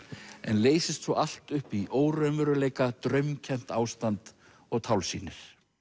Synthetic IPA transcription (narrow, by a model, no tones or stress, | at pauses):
ɛnleːjsɪst̪sɔʔal̥t̪ʏhpiʔoːwɾœnvʏɾʏleːjkat̪ɾœɥmcʰɛm̥t̪aːwst̪ant̪ | ɔɣt̪ʰawlsḭːnɪɾ̥